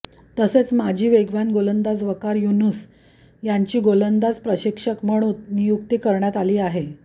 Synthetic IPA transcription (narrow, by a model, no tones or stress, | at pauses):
t̪əset͡smad͡ʑʱiːʋeɡʋanɡolənd̪ad͡zʋəkaɾjunus | jaɲt͡ɕiːɡolənd̪ad͡zpɾəɕikʂəkm̤əɽ̃uːt̪nijuk̚t̪iːkəɾɳjat̪aliːaɦe